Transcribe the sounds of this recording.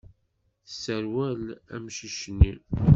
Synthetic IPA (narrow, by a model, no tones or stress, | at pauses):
θsəɾwælæ̰mʃiʃnːi